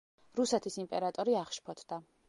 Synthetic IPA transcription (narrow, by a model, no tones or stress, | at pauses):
ɾusɛt̪ʰisimpʼɛɾat̪ʼɔɾiaχʃpʰɔt̪ʰd̪̥a